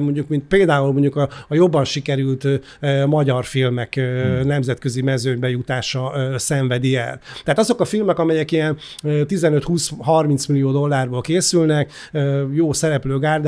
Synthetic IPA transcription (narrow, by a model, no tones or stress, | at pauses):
mo̞ɲɟukmint̪̚peːld̪aːulmo̞ɲɟukɒːjo̞bːɒnʃikɛɾylt̪ː | mɒɟɒrfilmɛkønɛmzɛt̪kø̞zimɛzøːɲbɛjut̪aːʃɒsɛɱvɛd̪iɛ̰lt̪ɛaːt̪ɒzo̞kɒfilmɛkɒmɛjɛkijɛnː | t̪izɛnøt̪huːsɦɒrmint̪smilijoːd̪o̞lːaːrboːlkeːsylnɛk | øːjoːsɛɾɛpløːɡaːrd̪